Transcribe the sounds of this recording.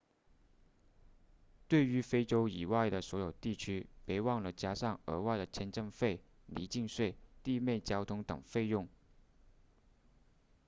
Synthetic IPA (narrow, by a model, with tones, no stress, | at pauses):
t̪we˥˩ɪy˧˥fe˥ɪʈ͡ʂo˥ʊi˨˩wa˥˩ɪd̪ə˩swɔ˧˥jo˨˩ʊt̪i˥˩t͡ɕʰy˥pe˧˥ɪwɑ˥˩ŋlə˩t͡ɕja˥ʂɑ˥˩ŋə̰˧˥wa˥˩ɪd̪ə˩t͡ɕʰjɛ˥nʈ͡ʂɤ˥˧ŋfe˥˩ɪ | lḭ˧˥t͡ɕi˥˧ŋʂwe˥˧ɪt̪i˥˧me˥˩ɪt͡ɕjɑ˥ʊt̪ʰʊ˥ŋt̪ɤ̰˨˩ŋfe˥˧ɪjʊ˥˩ŋ